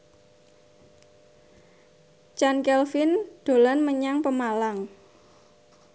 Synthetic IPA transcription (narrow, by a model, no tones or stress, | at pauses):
t͡ʃankɛlfɪnd̪̥o̤lanməɲaŋpəmalaŋ